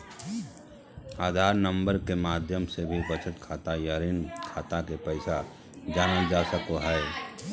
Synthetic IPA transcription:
aːd̪ʱaːɾnə̃mbəɾkemaːd̪ʱjəmsebʱibət͡ʃət̪kʰaːt̪ajaɾɪnkʰaːt̪akepɛɪsa | d͡ʒaːnəld͡ʒasəkoɦɛe

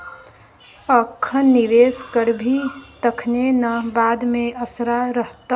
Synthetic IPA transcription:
əkʰːənːiʋeskəɾbʱit̪əkʰnenəbad̪meəsɾaɾəɦt̪ə

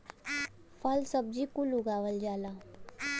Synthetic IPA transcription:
falsəb̚d͡ʑikuluɡaːʋəld͡ʒaːla

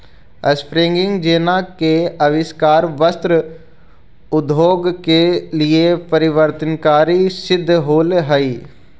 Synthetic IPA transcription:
əspɾɪ̃ŋɡɪ̃ŋɡd͡ʒeːnãkeɐʋɪskaːɾʋəst̪ɾə | ʊd̪ʱoːɡkelɪepəɾɪʋəɾt̪ənkaːɾisɪd̪ʱːɦoːlɦəiː

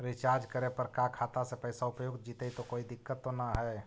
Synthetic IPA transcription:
ɾɪt͡ʃaɾd͡ʒkəɾepəɾkakʰaːt̪asepɛsaʊpjoɡ̪d͡ʒiːt̪əit̪okoːid̪ɪkːət̪ːonaɦɛ

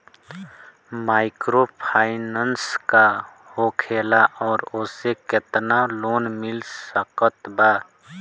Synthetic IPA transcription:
maːɪkɾopʰaːɪnənska | hokʰeːlaʔɔːɾoːseket̪naloːnmɪlssəkət̪ba

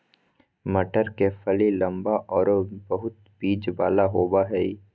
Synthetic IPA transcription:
mɐʈəɾkefɐlilɐ̃mbaʔɔːɾbɐɦʊt̪̚biːd͡ʒbaːlaɦoːbaɦɛi

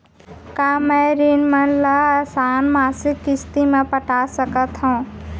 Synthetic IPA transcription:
kamɛɾinmənləsaːnmaːsikːɪst̪imepəʈasəkət̪ɦũ

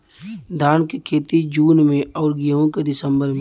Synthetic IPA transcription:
d̪ʱaːnkekʰeːt̪id͡ʒuːnmẽɔːɾɡiɦõked̪ɪsəmbəɾm

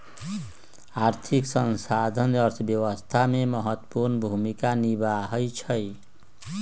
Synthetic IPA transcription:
art̪ʰiksʌnsad̪ʱʌnʌrt̪ʰbjʌwʌst̪ʰamemʌɦʌt̪ːpurnbʱumikanibaɦʌjt͡sʰʌj

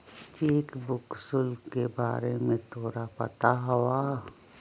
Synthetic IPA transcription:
t͡ʃiːkbʊksʊlkebaːɾemẽt̪ʰoːɾapɐ̰t̪aɦɐwaː

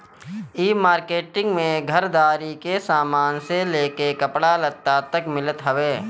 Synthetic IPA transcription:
iːmaːɾkeːʈɪ̃ŋɡmẽɡʱəɾd̪aːɾikesaːmaːnseleːkekɐpɽalɐt̪ːat̪əkmɪlət̪ɦəʋeː

